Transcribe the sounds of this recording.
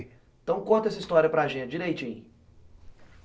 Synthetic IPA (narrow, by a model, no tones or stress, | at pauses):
t̪ɐ̃w̃kõt̪ɐɛsɐist̪ɔɾiɐpɾɐaʒẽnt͡ʃɪd͡ʒiɾejt͡ʃĩj̃